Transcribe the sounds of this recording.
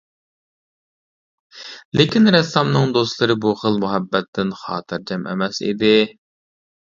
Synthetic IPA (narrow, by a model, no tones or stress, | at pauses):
lɪkʲinɾɛsɑmnɨŋd̪oslˠɨɾɨbuχəlˠmuɦɛbːɛt̪ʰːɪnχɑ̰ːt̪ʰɨɾd͡ʒɛmʔɛ̰mɛsḭd̪ɪ